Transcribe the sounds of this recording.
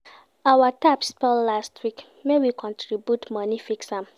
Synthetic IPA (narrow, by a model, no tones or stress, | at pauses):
awatapspɛllastʰwik | mewikʰɔ̃ntʰɹibjutmanifiksãm